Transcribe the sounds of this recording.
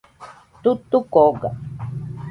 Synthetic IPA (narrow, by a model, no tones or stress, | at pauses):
t̪ut̪ukoɡa̰